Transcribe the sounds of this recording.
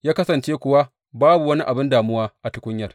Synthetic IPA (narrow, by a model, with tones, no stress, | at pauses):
jaː˦kɐ˦sɐ˨nt͡ʃeː˦kʷʊ˨wa˦ | baː˦bu˨wɐ˦ni˦ʔa˨bɪ˦ndaː˨mʊ˦waː˦ʔa˨tʊ˦kʷʊ˦ɲjɐ˨r